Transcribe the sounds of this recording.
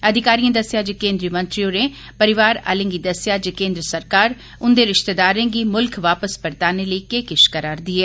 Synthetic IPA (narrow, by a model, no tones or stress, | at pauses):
əd̪ʱɪkaːɾijãːd̪əsjaːd͡ʒəkẽːnd̪ɾiːmə̃nt̪ɾioːneː | pəɾɪʋaːɾa̰ːlẽːɡiːd̪əsɪjaːd͡ʒəkẽːnd̪ɾəsəɾkaːɾ | ʊnd̪eːɾɪʃt̪eːd̪aːɾẽːɡiːmʊlkʰʋaːpəsbəɾt̪aːneːləiːkeːkɪʃkəɾaːɾd̪iːɦɛː